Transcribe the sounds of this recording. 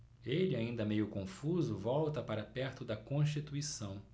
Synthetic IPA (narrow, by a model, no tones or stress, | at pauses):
elɪaĩnd̪ɐmejʊkõfuzʊvɔwt̪ɐpaɾɐpɛɾt̪ʊd̪ɐkõʃ̬t͡ʃit̪uisɐ̃w̃